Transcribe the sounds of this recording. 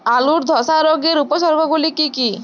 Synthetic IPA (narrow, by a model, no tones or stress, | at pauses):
aluɾd̪ʱɔsaɾoɡeɾupɔsɔɾbʱɔɡulikiki